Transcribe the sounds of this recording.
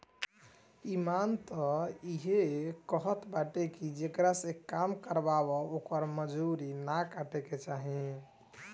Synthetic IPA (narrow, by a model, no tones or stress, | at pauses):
imant̪ɔiɦekəɦət̪baʈekid͡ʒekɾasekamkəɾbabɔokəɾməd͡ʒuɾinakaʈeket͡ʃaɦi